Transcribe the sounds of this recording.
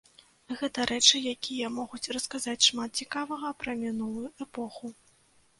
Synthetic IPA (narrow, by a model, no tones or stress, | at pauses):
ɣɛt̪ɐɾʔɛt͡ʂɨjakʲʰijɐmɔɣut͡sʲrɐskazat͡sʲʂmat̪̚t͡sʲikavɐɣɐpɾɐmʲinulˠujuʔɛpɔxu